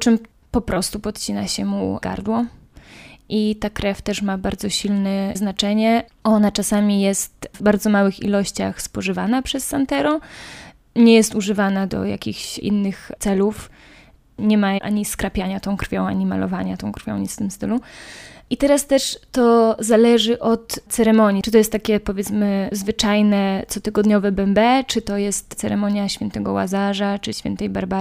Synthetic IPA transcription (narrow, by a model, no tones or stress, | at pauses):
t͡ʂɘm | pɔpɾʔɔst̪upɔt̪t͡ɕinaɕɛmṵɡa̰ɾd̪wɔ | ʔit̪akɾɛft̪ɛʂmabaɾd̪zɔɕilnɛznat͡ʂɛɲɛɔnat͡ʂasamʲijɛst̪vbaɾd̪zɔmawɘxḭlɔɕt͡ɕa̰xspɔʐɘvanapʂɛsːant̪ɛɾɔ | ɲɛjɛst̪uʐɘvanad̪ɔ̰ja̰kʲixɕʔḭnːɘxtsɛluf | ɲɛmaʔa̰ɲiskɾapʲjaɲat̪ɔ̃w̃kɾfʲjɔ̃w̃a̰ɲima̰lɔ̰vaɲat̪ɔ̃w̃kɾfʲjɔ̃w̃ɲisft̪ɘmst̪ɘluʔit̪ɛɾast̪ɛʂt̪ɔzalɛʐɘʔɔt̪t̪sɛɾɛmɔɲit͡ʂɨt̪ɔjɛst̪ːakʲɛpɔvʲjɛt̪smɘzvɘt͡ʂajnɛt̪sɔt̪ɘɡɔd̪ɲɔvɛbɛmbɛt͡ʂɘt̪ɔjɛst̪t̪sɛɾɛmɔɲjaɕfʲɛnt̪ɛɡɔwa̰zaʐat͡ʂɨɕfʲɛ̰nt̪ɛjbaɾba